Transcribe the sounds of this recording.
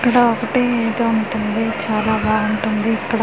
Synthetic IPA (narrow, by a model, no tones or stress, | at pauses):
kːɐɽɐɔkɐʈeːeːd̪oːuɳʈund̪it͡ʃaːlaːbaːɡuɳʈund̪iːkːɐɽɐ